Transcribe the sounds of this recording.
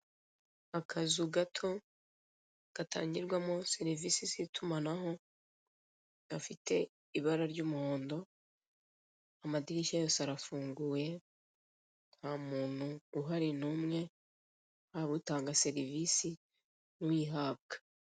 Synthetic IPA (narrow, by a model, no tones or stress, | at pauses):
akʰazuɡatʰo̞ | ɡ̥atʰa̰ːɲɟiɾɡwamo̞se̞ɾivisizitʰumanaɦo̞ | ɡ̥afitʰe̞ | iβaɾaɾɟuːmuho̞ːndo̞ | amadiɾiʃajosaɾafuːŋɡuːje̞ | n̥hamuːn̥huːɦaɾinuːmŋe̞ | haβutaːŋɡase̞ɾivisi | nuwiːɦaːb̚ɡḁ